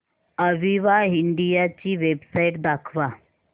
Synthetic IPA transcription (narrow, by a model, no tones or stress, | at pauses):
əʋiʋaɦiɳɖijat͡ɕiːʋebsajʈd̪akʰʋa